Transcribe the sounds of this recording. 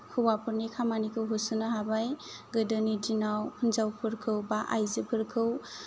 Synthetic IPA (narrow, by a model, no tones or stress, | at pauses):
kʰɯwapʰɯɾnikʰamanikʰɯwɦusunaɦabajɡɯdənidinawhʰunzawpʰɯɾkʰɯwbaʔajzɯpʰɯɾkʰɯw